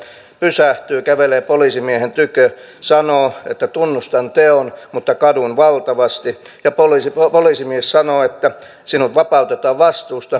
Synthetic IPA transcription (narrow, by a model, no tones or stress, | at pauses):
pysæht̪yːkæʋeleːpolisimiehent̪ykø | sɑnoːet̪ːæt̪unːust̪ɑnt̪eonmut̪ːɑkɑdunʋɑlt̪ɑʋɑst̪i | jɑpolisipolisimiessɑnoːet̪ːæ | sinut̪ʋɑpɑut̪et̪ɑːʋɑst̪uːst̪ɑ